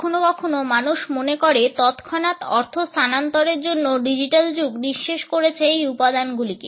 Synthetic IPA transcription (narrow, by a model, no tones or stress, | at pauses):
onokɔkʰonomanuʃmonekoɾet̪ɔt̪kʰɔnat̪ɔɾt̪ʰost̪anant̪ɔɾeɾd͡ʑonːoɖid͡ʑiʈald͡ʑuɡniʃːeʃkoɾet͡ɕʰeejupad̪anɡulike